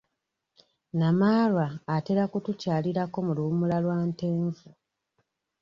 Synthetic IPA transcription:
namaːlwaːte̞ɾakutucaːliɾako̞mulumulalwaːnte̞ːɱvu

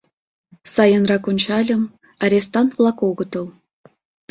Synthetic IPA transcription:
sɑjɤ̆nrɑkonʲt͡ɕɑlʲɤ̆m | ɑɾʲest̪ɑnt̪vlˠɑkoɡɤ̆t̪ɤ̆lˠ

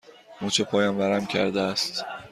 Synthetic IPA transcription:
muːt͡ʃʰepʰɒːjɒnvæɾæmcʲʰæ̰ɾd̪eæst̪

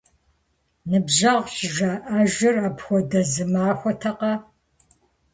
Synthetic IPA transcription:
nɨbʑɐʁɕɪʒaːʔaːʒɪrapxʷɔdɐzɨmaːxʷɔtʰɐqɐ

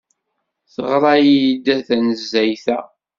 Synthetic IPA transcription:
θəʁɾˤɑjijid̪æθænəzːæjθæ

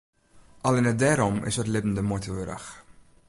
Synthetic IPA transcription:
ʔɑlɪnədɛːɾɔmɪ̰sətlɪbən̩dəmotəʋøɾə̰x

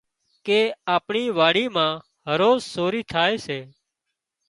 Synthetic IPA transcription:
keːaːpɳiːʋaːɽiːmãː | ɦəɾoːzsoːɾiːʈʰaːeːseː

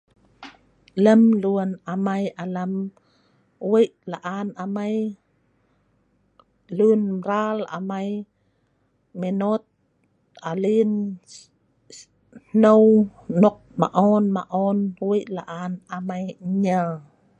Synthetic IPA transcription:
ləmluənamajʔaləm | wiʔlaʔanamaj | lunbɾala̰maj | menot̪̚ | ʔalin | nownɔk̚ma̰ʔɔnma̰ʔɔnwiʔlaʔanamajɲəl

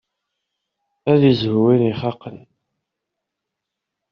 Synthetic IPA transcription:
æðizhuwiniχɑqːən

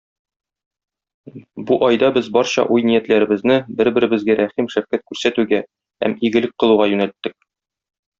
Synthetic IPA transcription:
buʔɒjd̪ɑbɘzbɒɾɕɑ̰ʔujnijæt̪læɾɘ̆bɘ̆znɘbɘɾbɘ̆ɾɘ̆bɘ̆zɡæɾʔæχimʃæfkæt̪̚kʉɾsæt̪ʉɡæ | hæ̰miɡɘ̆lɘk̚qɤ̆lˠuʁɑjʉnælt̪ːɘk̚

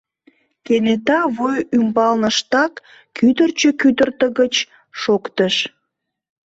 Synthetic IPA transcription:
kenet̪ɑβojymbɑlnəʃt̪ɑkː | yd̪ərt͡ɕəkyd̪ərt̪əɣət͡ɕ | ʃokt̪əʃ

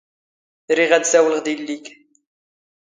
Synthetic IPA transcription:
θɾiʁæd̪sæwləʁd̪ilːik

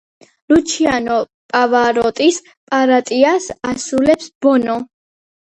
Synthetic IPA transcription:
lut͡ʃʰianɔ | pʼavaɾɔt̪ʼis | pʼaɾat̪ʼiasasulɛpsb̥ɔnɔ

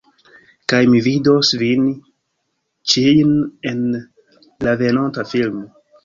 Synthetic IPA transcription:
kajmividosvin | t͡ʃijne̞n | lave̞nontafilmo

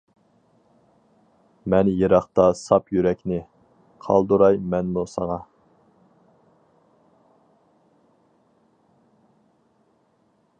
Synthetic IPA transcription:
mɛnjeɾɑχt̪ɑsɑpjyɾɛkʲnɪ | qʰɑ̰lˠd̪uɾɑjmɛnmusɑŋɑ

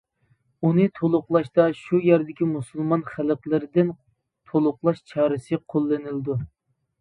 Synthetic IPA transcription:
unɨt̪ʰolˠʊqlˠɑʃt̪ɑʃujæɾd̪ɪkʲimusulˠmɑnχælqlˠɪɾɪd̪ɪn | t̪ʰolˠʊqlˠɑʃt͡ʃʰɑːɾɨsɨqʰolˠːɪnɪlɨd̪u

